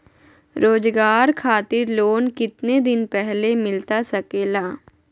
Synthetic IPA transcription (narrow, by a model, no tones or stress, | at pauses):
ɾoːd͡ʒɡaːɾkʰaːt̪ɪɾloːnkɪt̪ned̪ɪnpɛɦlemɪlt̪asɐkeːlaː